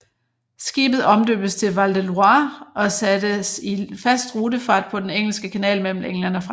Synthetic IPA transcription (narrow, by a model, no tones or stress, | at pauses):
sɡ̥ḭːb̥ð̩ˠɒ̽md̥ø̰ːb̥əst͡sʰe̝lʋɑld̥eluɑ̈ːɒ̽sæd̥əsifæsd̥ʁuːdəfɑ̰̈ːd̥̚pʰɒ̽d̥eneŋ̰l̩sɡ̥əkʰænɛ̰ːlmel̰m̩eŋlæn̰ɒfʁɑ